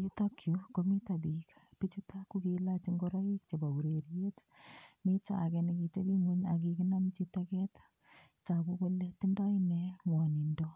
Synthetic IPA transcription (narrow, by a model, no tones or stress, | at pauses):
jutokʰjukomitabikpit͡ʃutakukilat͡ʃiŋɡɔɾaik̚t͡ʃebauɾeɾjetmit͡ʃa̰kɛnikitebiŋuɲak̬ikɪnamt͡ʃitakɛt | t͡ʃakukolːetɪndaɪnɛŋwɔnindo